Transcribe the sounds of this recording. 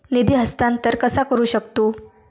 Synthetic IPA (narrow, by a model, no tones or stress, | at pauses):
nid̪iːɦəst̪ant̪əɾkəsakəɾuːɕək̚t̪o